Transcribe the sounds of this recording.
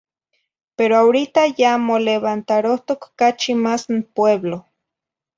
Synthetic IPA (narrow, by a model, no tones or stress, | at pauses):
peɾoawɾit̪ajamoleβant̪aɾoht̪okːat͡ʃimasnpweβlo